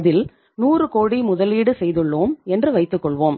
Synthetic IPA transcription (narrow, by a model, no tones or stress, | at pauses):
ðɪl | nuːrɯkoːɽimʊðɐliːɽɯsɛjðɯɭːoːmɛndrɯʋɐɪt̪ːɯkːɔɭʋoːm